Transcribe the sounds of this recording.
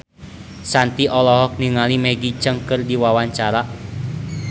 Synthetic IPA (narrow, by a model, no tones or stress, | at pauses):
sant̪iʔɔlɔɦɔk̚niŋalimɛɡit͡ʃəŋkɨrdiwawaɲt͡ʃaɾa